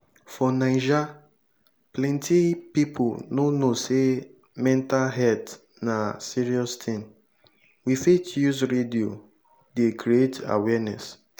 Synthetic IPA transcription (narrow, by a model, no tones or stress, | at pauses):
fɔnaɪd͡ʒa | plɛ̃ntʰipipʰʊnonose | mɛ̃ntalɦɛt | nasiɹiɔstʰĩn | wifetjuzɾedio | dekʰɾieta̰wɛnɛ̰s